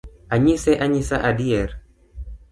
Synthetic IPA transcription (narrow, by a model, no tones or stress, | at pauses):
aɲisɛʔaɲisaʔadiɛɾ